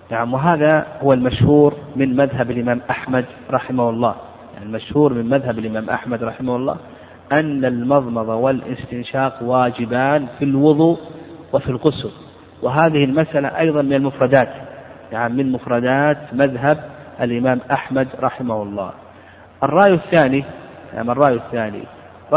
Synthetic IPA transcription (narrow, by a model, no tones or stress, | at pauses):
naʕamwɪɦaːðahʊwalmaʃhuːɾmɪnmaðɦabalʔɪmaːmʔaħmad̪ | ɾˤɑħɪmahʊlˤːɑ̰ː | ja̰ʕnilmaʃhuːɾmɪnmaðɦabalʔɪmaːmʔa̰ħmad̪ɾˤɑħɪmahʊlˤːɑ̰ː | ʔanːalmɑðˤmɑðˤɑwɪlʔɪ̰st̪ɪnʃɑːqwaːd͡ʒɪbaːnfilwʊðˤuːwɪfilɣʊsʊb | wɪɦaːðɪhɪlmasʔala̰ʔɑjðˤɑnmɪnalmʊfɾˤɑd̪aːt̪naʕamːɪnmʊfɾˤɑd̪aːt̪maðɦab̚ʔalʔɪmaːmʔaħmad̪ɾˤɑħɪmahʊlˤːɑ̰ː | ʔɑrˤːɑːjɪθːaːnia̰mɑrˤːɑːjɪθːaːnḭˤ